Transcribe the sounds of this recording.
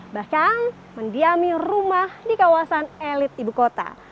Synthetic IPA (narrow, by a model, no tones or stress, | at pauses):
bakaŋ | məndiamirumahdikawasanelɪt̪̚ibukot̪a̰